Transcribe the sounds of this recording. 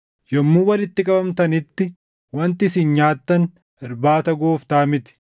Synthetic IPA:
jɔmːuːwɐlɪt̪ːɪkʼɐbɐmt̪ɐnɪt̪ːɪ | wɐnt̪ɪɪsiːnɲaːt̪ːɐn | ɪɾbaːt̪ɐɡoːft̪aːmɪt̪ɪ̥

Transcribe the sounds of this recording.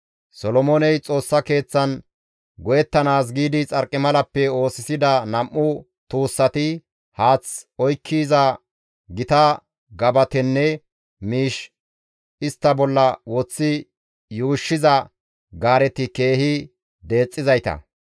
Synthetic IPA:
sɔlɔmonɛjt͡sʼo̞ːsːɐke̞ːt͡sːɐn | ɡɔjɛt̪ːɐnaːs̬ɡiːd̪ɪt͡sʼɐɾkʼːɪmɐlɐpːɛo̞ːsɪsɪd̪ɐnɐmʔːʊ | t̪uːsːɐt̪ɪ | haːt͡sɔjkʰːiːzɐ | ɡɪt̪ɐ | ɡɐbɐt̪ɛnːɛ | miːʃ | ɪst̪ːɐbɔlːɐwɔt͡sːɪ | juːʃːɪzɐ | ɡaːɾɛt̪ɪke̞ːhɪ | d̪e̞ːt͡sʼːɪzɐjt̪ɐ̰

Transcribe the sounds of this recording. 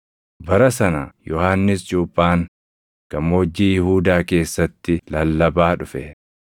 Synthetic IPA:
bɐɾɐsɐnɐjɔhaːnːɪsd͡ʒuːpʼːaːŋ | kɐmoːd͡ʒːiːjɪhuːd̪aːke̞ːsːɐt̪ːɪlɐlːɐbaːᶑʊfɛ

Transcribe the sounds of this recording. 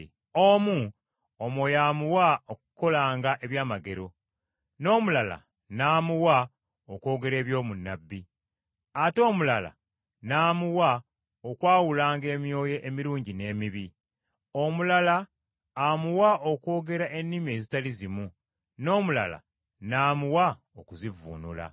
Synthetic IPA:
omu | omo̞jaːmuwaokuko̞laːŋɡaʔe̞βjaːmaɡe̞ɾo̞ | no̞ːmulala̰ | naːmuwa | okwo̞ːɡe̞ɾe̞ːβjo̞ːmunːabːi | ato̞ːmulala̰ | naːmuwa | okwaːwulaːŋɡe̞ːmjo̞ːjeʔemiɾuːɲɟine̞ːmiβi | o̞mulalaː | muwaʔo̞kwo̞ːɡe̞ɾaʔe̞nːimie̞zitalizimu | no̞ːmula̰la̰ | naːmuwa | okuzivṵːnṵla̰

